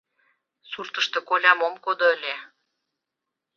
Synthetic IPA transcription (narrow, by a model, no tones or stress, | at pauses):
surt̪ə̆ʃt̪e̽kolʲɑmomkod̪oəlʲe